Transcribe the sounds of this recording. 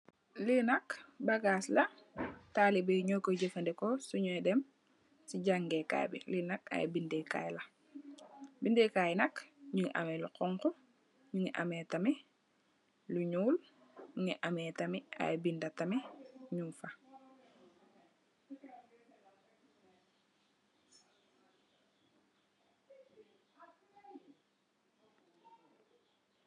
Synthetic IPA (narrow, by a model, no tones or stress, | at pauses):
linɐkbaɡaːslɐtalibeɲokoɟefɐndɛkɔsuɲuɛdɛm | siɟaŋɡɛka̰jbḭlinaka̰j̰bindeka̰jla | bindekajnɐkɲuŋiʔa̰meluqɔŋkɔ | ɲuŋiʔa̰mɛtami | luɲuːl | ɲuŋiʔamɛːtamia̰jbindatɐmiɲuːfa